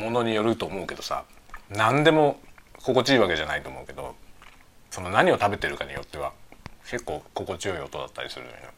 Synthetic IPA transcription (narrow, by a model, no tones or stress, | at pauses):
mo̞no̞ɲ̟ijo̞ɾɯ̟t̪o̞ːmo̞ɯ̟ke̞d̪o̞sa̰ | nãnd̪e̞mo̞ko̞ko̞t͡ɕiiːβake̞ʑanait̪o̞ːmo̞ɯ̟ke̞d̪o̞̰ | so̞no̞naɲ̟io̞t̪abe̞t̪e̞ɾɯ̟kaɲ̟ḭjo̞t̪ːe̞βakʰe̞kːo̞ːko̞ko̞t͡ɕijo̞io̞t̪o̞d̪at̪ːa̰ɾʲḭsɨɾɯ̰jo̰ino̰